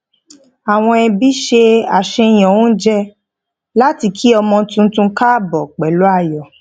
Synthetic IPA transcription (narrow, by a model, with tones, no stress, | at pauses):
a˨w̃ɔ̃˧ɛ˧bi˦ʃe˧a˨ʃe˧j̃ɔ̃˨wũ˦d͡ʒɛ˦ | la˦ti˧kʰi˦ɔ˧mɔ̃˧tũ˧tũ˧ka˦bɔ˨k͡pɛ˨lo˨˦a˦˧˨jɔ˨